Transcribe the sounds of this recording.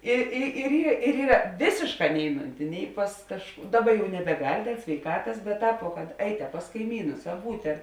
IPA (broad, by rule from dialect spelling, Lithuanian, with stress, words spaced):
ˈɪ ɪ ɪr iːr ˈiːrɐ ˈʋʲeːsʲeːʃˌkɑː ˈnʲɛɪˌnʊnʲtʲɪ ˈnʲɛɪ pɐs kɐʃ ˈdɑːˌbɐ jɛʊ nʲɛbʲɛˈɡɐlʲ sʲʋʲɛɪˈkɑːtɐs bʲɛt ˈtɑːp ʋoː kɐt ˈɛɪt ɐ pɐs kɐɪˈmʲiːnʊs ɐ ˈbuːtʲ ɐr